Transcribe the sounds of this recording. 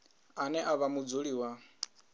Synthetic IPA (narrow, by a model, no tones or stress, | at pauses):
anɛʔaβamud͡zuɺiwa